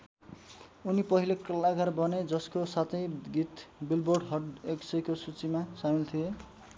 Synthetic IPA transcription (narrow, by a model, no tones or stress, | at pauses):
unipʌɦilekʌlːaɡaɾbʌned͡zʌskosat̪ʰʌjɡit̪bilborɖɦʌɖeksʌjkosut͡simasamilt̪ʰije